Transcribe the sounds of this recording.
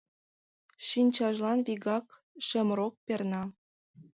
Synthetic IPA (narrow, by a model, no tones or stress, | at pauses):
ʃinʲt͡ɕɑʒlɑnβiɣɑk | ʃĕmɾok̚pernɑ